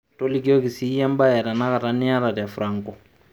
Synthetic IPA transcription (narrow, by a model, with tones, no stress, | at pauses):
to˦li˦ɡe˦o˦ki˨si˦jɛ̃˦mba˦jɛ˨ɾɛ˨na˦ka˨ta˦ni˦ja˦ɾa˨dɛ˨fuɾʔã˨ŋ˦kɔ˨